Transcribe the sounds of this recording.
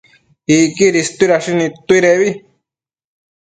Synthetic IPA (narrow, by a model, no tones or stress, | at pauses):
ikiɾist̪uiɾaʃinĩt̪uiɾeβi